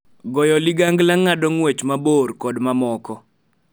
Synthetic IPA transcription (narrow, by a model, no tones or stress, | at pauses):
ɡɔjɔlɪɡaŋɡlaŋːadɔŋwet͡ʃmaborkɔdmamɔkɔ